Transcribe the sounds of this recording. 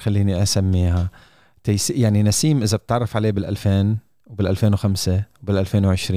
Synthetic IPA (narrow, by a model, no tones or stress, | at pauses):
xalːiːniʔasamːiːɦa | t̪ajsijaʕninasiːmʔɪzab̚t̪ʕɑrˤːɑfʕaleːbɪlʔalfeːn | wbɪlʔalfeːnwxamsewbɪlʔalfeːnwʕɪʃɾiː